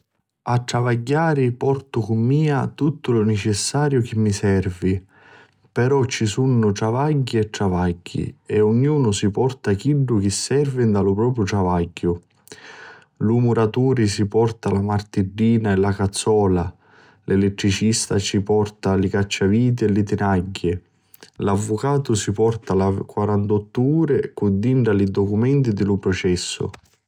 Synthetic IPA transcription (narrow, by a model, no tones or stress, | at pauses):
at̪ːɾavaɟːaːɾipɔrt̪ʊkʊmːiːat̪ut̪ːʊlʊnɛt͡ʃɛsːaːɾjʊk̟ɪmːisɛrvi | pɛɾɔt͡ʃːisunːʊt̪ɾavaɟːiɛt̪ːɾavaɟːḭɛʊɲːjuːnʊsipɔrt̪ak̟iɖːʊk̟ɪsːɛrvɪnd̪alʊpɾɔːpɾjʊʈɾavaɟːʊ | lumuɾat̪uːɾisipɔrt̪alamart̪iɖːiːnaɛlakat̪sːɔːla | lʔɛlɛt̪ːɾit͡ʃist̪at͡ʃipɔrt̪alɪkat͡ʃːaviːt̪̬iɛlɪt̪ɪnaɟːɪ | lavːʊkaːt̪ʊsipɔrt̪alakwaɾant̪ɔt̪ːuuːɾekud̪iɳɖalid̪ɔkumɛnt̪id̪ɪlʊpɾɔt͡ʃɛsːʊ̰